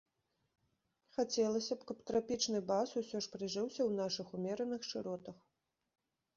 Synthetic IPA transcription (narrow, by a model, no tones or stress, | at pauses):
xat͡sʲɛlˠɐsʲɐpkɐpt̪ɾapʲit͡ʂnɨbasusʲɔʂpɾɨʐɨwsʲɐwn̪aʂɨxumʲɛɾɐnɨxʂɨɾɔt̪ɐx